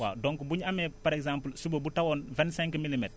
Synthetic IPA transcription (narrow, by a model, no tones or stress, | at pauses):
wa̰dɔŋkubuɲɐmɛpaɾɛkzãmplsubobutawɔnvɛ̃nsɛ̃ŋkmilimɛt